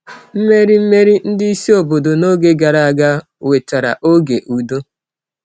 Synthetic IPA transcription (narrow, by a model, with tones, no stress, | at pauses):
m̩˦me˦ɾi˦m̩˦me˦ɾi˦n̩˦dɪ˦i˦si˦o˨bo˨do˨no˦ɡe˦ɡa˨ɾa˨a˨ɡa˦ | we˨ta˨ɾa̰˨ʔo˦ɡe˨ʔu˨do˦